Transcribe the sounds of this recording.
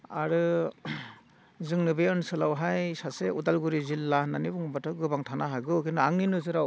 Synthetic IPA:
a̰ɾɯ | zɯŋnɯbejɔnsɯlawɦajsaseudalɡuɾizilːananibuŋbatɔɡɯbaŋtʰanaɦaɡɯkinɯaŋninɯzɯɾaw

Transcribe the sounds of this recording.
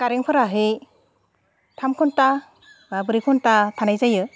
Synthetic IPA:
kaɾeŋpʰɯɾaɦe | tʰamkʰɔnta | babɯɾikʰɔntatʰanajzajɯ

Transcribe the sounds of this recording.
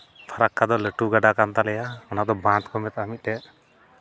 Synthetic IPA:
pʰaɾakʰːad̪ɔləʈuɡaɖakant̪alɛjaɔnad̪ɔbãt̪kɔmɛt̪amit̪̚d̪ɛʔ

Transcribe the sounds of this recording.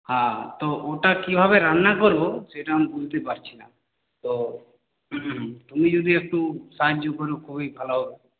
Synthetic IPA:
hãt̪ɔʔoʈakibʱabɛɾanːakɔɾɔsɛʈaɔnbud͡ʒʱt̪ɛpaɾt͡ʃʰɛna | t̪ɔ | t̪umid͡ʒɔd̪ʱiɛk̚ʈusaɦad͡ʒjɔkɔɾukʰubibʱalɔɦ

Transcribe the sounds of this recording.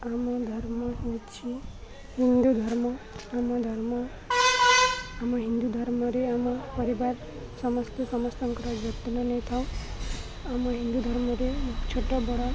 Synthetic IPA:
amɔd̪ʱɔɾmɔɦet͡ʃʰi | hind̪ud̪ʱɔɾmɔ | amɔd̪ʱɔɾmɔ | amɔɦind̪ud̪ʱɔɾmɔɾeamɔpɔɾibaɾ | sɔmɔst̪isɔmɔst̪ɔŋkɔɾad͡ʒɔt̪ɔnɔnejt̪ʰaw̃ | amɔɦind̪ud̪ʱɔɾmɔɾet͡ʃʰoʈɔbɔɽɔ

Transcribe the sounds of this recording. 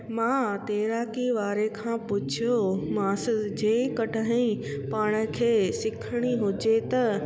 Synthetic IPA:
mãt̪eːɾaːkiʋaːɾekʰãːpʊd͡ʑʱʰijomãːsd͡ʑẽɪ̃kɐɖəɦĩpaːɽ̃ə̆kʰeːsɪkʰəɽ̃iɦʊd͡ʑet̪ɐ

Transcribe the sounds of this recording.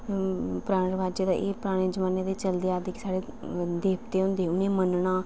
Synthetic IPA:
pɾaːɽ̃ɾʋaːd͡ʒeːd̪aːʔeːpɾaːɽ̃eːd͡ʒəmaːneːd̪eːt͡ʃəld̪eːaːd̪ɪkːsaːɽeː | d̪eːkʰt̪eːɦʊ̃ːnd̪eːʊnẽːmənɳãː

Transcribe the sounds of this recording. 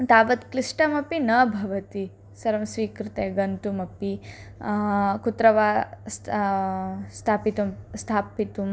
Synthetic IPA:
t̪aːʋɐt̪kɾiʂʈɐmɐpinɐbʱɐʋɐt̪i | sɐɾɐmsʋiːkɾut̪eɡɐnt̪umɐpi | kut̪ɾɐʋaːs | st̪ʰaːpit̪umst̪ʰaːpit̪um

